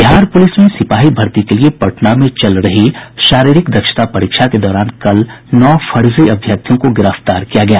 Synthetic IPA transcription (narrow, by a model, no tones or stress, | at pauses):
bɪɦaːɾpʊlɪsmẽsɪpaːɦibʱɐɾt̪ikeliepɐʈnamẽt͡ʃɐlɾɐɦiʃaːɾiːɾɪkd̪ɐkʃə̥t̪apɐɾiːkʃʰaked̪ɔːɾaːnkɐlnɔːfɐɾziɐbʱjək̚t̪ʰjõkoɡɪɾəft̪aːɾkijaɡɐjaː